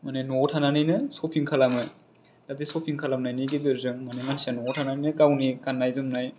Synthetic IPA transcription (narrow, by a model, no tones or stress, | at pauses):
manenotʰananɯjnɯsɔpʰiŋkʰalamɯ | dadisɔpʰiŋkʰalamnajniɡezɯɾzɯŋmanemansanɔtʰananinɯkawnikanːajzɯmnaj